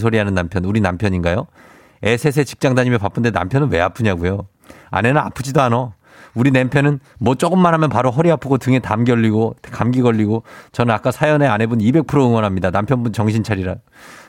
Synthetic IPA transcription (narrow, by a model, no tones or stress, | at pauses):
sʰoɾiɦanɯnːampʰjʌnuɾinampʰjʌɲinɡajo | e̞sʰe̞s̬ʰe̞t͡ɕi̥k̚t͡ɕ͈aŋdaɲimepap͈ʰɯnde̞na̰mpʰjʌnɯnwe̞apʰɯɲaɡujo | a̰ne̞nɯna̰pʰɯd͡ʑidoɦano | uɾinempʰjʌnɯnmwʌt͡ɕ͈oɡɯmːanɦamjʌnpaɾoɦʌɾiapʰɯɡotɯŋe̞tamɡjʌʎːiɡotkamɡiɡʌʎːiɡot͡ɕʌnɯnak͈asʰajʌne̞ane̞bunibe̞k̚pʰɯɾoɯŋwʌnɦamɲidanampʰjʌnbunt͡ɕʌŋɕ̬ʰint͡ɕʰaɾiɾa